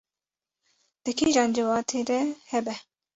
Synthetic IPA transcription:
d̪̥ɨkʰeʒɑːnd͡ʒəwɑːt̪ʰeːɾɛhɛbɛ

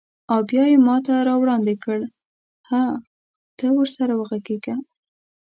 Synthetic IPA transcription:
abjɑjemɑt̪aɾɑwɽɑnd̪ɪkəɽ | ha | t̪əwəɾsaɾawəɣaɡeɡa

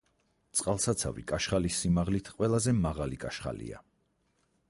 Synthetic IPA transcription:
t̪sʼqʼalˠsat̪sʰa̰vḭkʼaʃχalisːimaʁlit̪ʰqʼwɛlˠazɛmaʁalikʼaʃχa̰lḭa̰

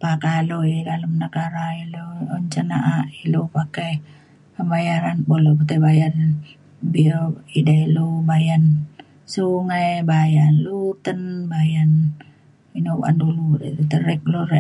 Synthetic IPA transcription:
pakaluiidaləmnəkaɾailooɲt͡ʃanaʔaʔilupake | kəmbajaɾanbolopat̪ebajar | bioidailubajan | suŋajbajanlut̪ənbajan | inow̰ʔa̰nduludelt̪əɾɛk̚luɾe

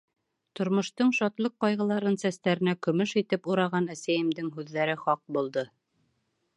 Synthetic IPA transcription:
t̪ŏɾmŏʃt̪ɤɴʃɒt̪lˠɤqːɑjʁɤ̆lˠɑɾɤnsæst̪æɾɘ̆nækɵ̆mɵʃit̪ɘpuɾɑʁɑnæsæjɘ̆md̪ɘŋɦʉðːæɾɘχɒq̚bulˠd̪ɤ

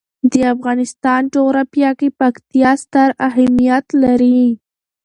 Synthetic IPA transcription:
d̪əafɣɑnɪst̪ɑnʈoɣɾapjɑkepakt̪ijɑst̪aɾaɦamijat̪laɾi

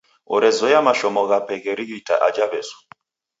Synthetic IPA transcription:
ɔɾɛzɔjamaʃɔmɔɣapɛɣɛɾiɣita̰ʔad͡ʒaβɛzɔ̥

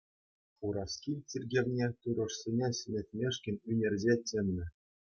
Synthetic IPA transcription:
χuɾɑskʲit͡sʲirʲɡʲerʲnʲet̪uɾɤ̆ʂsʲenʲeɕɘ̆nʲĕtʲmʲeʂkʲɘ̆nʲynʲerʲzʲet͡sʲɘ̆mːʲɘ̆

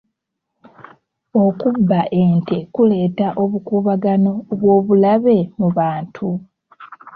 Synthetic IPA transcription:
o̞kubːaʔeːnte̞kule̞ːtaʔo̞βukuːβaɡano̞βwo̞ːβulaβe̞muβaːntʰu

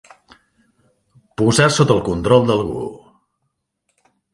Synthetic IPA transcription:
puzasot̪əːlˠkunt̪ɾɔlˠd̪əlˠɣṵ

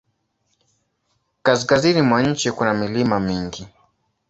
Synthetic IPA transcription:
kas̬kazinimwaɲ̩t͡ʃikunamilimamiŋɡi

